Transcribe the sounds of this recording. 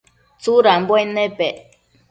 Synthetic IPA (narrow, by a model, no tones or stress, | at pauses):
t͡suɾambwenepe